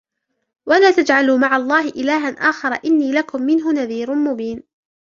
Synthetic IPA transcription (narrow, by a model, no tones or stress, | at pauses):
walaːt̪ad͡ʒʕaluːmaʕalˤːɑːɦɪʔɪlaːɦanʔaːxɑɾˤɑʔɪnːiːlakʊmːɪnɦʊnaðiːɾmʊbiːn